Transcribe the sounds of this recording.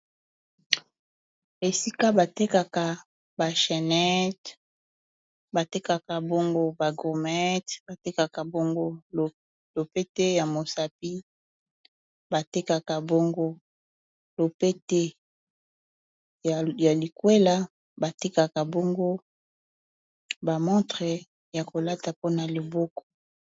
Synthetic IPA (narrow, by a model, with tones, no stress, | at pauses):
e˨si˦ka˦ba˨te˦ka˨ka˨ | ba˨ʃɛ˨nɛ˦t | ba˨te˦ka˨ka˨bo˦ŋɡo˦ba˨ɡo˨mɛ˦tba˨te˦ka˨ka˨bo˦ŋɡo˦˨ | lo˨pe˦te˦ja˨mo˨sa˨p̚i˦ | ba˨te˦ka˨ka˨bo˦ŋɡo˦ | lo˨pe˦te˦˨ | ja˨li˨kwe˦la˦ | ba˨ti˦ka˨ka˨bɔ˦ŋɡo˦ | ba˨mɔ̃˦tʁɛ˨ | ja˨ko˨la˦ta˨po˦na˨li˨bɔ˦kɔ̥˨